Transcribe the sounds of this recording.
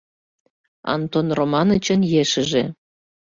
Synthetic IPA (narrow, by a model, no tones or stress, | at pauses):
ɑ̰nt̪onromɑnət͡ɕənjeʃə̆ʒe